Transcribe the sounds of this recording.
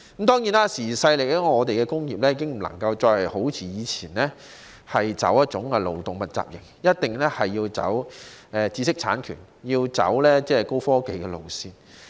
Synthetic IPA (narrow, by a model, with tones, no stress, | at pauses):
mt̪ɔː˥ŋjiː˨˥naː˥siː˨˩sɐ˧jlɪ˨k̚lɛ˥ŋɔː˨˧t̪e˨jkɛː˧kʊ˥ŋjiː˨p̚lɛː˥jiː˨˧kɪ˥ŋm̩˨˩lɐ̰˨˩ŋkɐ˧wt͡ʃɔː˧jhɐ˨jho˨˥wt͡sʰiː˨˥jiː˨˧t͡sʰiː˨˩nlɛː˥ | hɐ˨jt͡sɐ̰˨˥wjɐ˥t̚t͡ʃʊ˨˥ŋɛ˧lo̰˨wt̪ʊ˨ŋmɐ˨t̚t͡sa̰ː˨p̚jɪ̰˨˩ŋjɐ˥t̚t̪ɪ˨ŋlɛː˥hɐ˨jːiː˧wt͡sɐ̰˨˥wɛː˨˧t͡siː˧sɪ˥k̚t͡sʰa̰ː˨˥nkʰy̰ː˨˩n | jiː˧wt͡sɐ̰˨˥wlɛː˥t͡sɛː˥ko˥wfɔː˥ke˨˧jkɛ˧lo̰˨˩wsiː˧n